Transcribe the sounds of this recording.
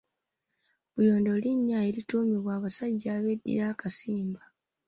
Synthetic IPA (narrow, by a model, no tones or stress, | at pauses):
βujo̞ːndo̞liɲːae̞ɾituːmiβwaːβasaɟːaːβe̞dːḭɾaːkasiːmba